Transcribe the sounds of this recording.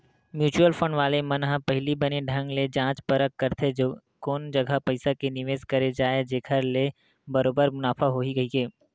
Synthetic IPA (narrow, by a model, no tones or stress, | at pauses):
mjuːt͡ʃuəlfʰə̃ɳɖʋaːlemɐnɦəpɛɦlibɐneɖʱɐ̃ŋɡled͡ʒãːt͡ʃpɐɾəkːɐɾt̪ʰed͡ʒoː | koːnd͡ʒɐɡʱapɐɪsakenɪʋeːzkɐɾed͡ʒaːed͡ʒeːkʰəɾle | bɐɾoːbəɾmʊnaːfʰaɦoːɦiɡɐɦikeː